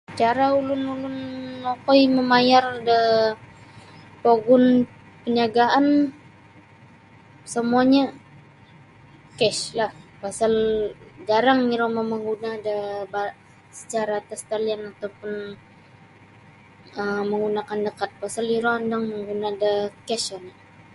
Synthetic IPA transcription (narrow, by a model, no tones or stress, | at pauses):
t͡ʃaɾaulʊnulʊnːokɔjməmajardə | poɡʊn | pəɲaɡaʔan | səmuaɲa | kɛʃlahpasald͡ʒaɾaŋiɾomaməŋɡunaːdaba | sə̥t͡ʃaɾaːt̪ast̪alianat̪awpʊn | əməŋɡunakandəkat̪̚pasaliɾoandaŋməŋɡunaːdakɛʃana